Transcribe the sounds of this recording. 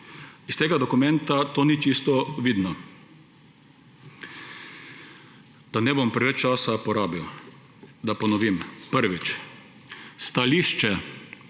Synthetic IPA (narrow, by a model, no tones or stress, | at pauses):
ist̪eːɡad̪ɔkʊmɛnt̪at̪oːnit͡ʃist̪ɔʋiːd̪nɔ | d̪̥anɛbɔmpɾɛʋɛt͡ʃt͡ʃaːsapɔɾaːbiw | d̪apɔnɔʋiːmpəɾʋit͡ʃ | st̪aliːʃt͡ʃɛ